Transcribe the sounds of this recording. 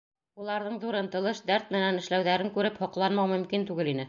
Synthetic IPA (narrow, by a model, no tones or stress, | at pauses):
ulˠɑɾðɤɴðuɾɤ̆nt̪ɤ̆lˠɤʃd̪æɾt̪mɘ̆nænɘ̆ʃlæwðæɾɘŋkʉɾɘphɒqlˠɑnmɑwmɵ̆mkint̪ʉɡɘlinɘ